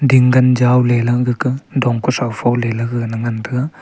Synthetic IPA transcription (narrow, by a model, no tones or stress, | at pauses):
diŋɡɐnd͡ʒawlelɐɡɯkɯdɔŋkusawfʰawlelɐɡɯnɐŋant̪ʰɯa